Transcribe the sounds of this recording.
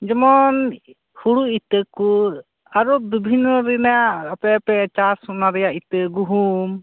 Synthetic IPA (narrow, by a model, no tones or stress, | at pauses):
d͡ʒɔmɔn | huɽuit̪əku | aɾɔbibʱinɔɾɛnaapɛpɛt͡ʃasɔnaɾɛjaʔit̪əɡuɦum